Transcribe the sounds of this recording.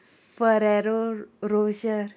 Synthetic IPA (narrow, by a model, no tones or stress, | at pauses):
fəɾɛɾoɾoɕəɾ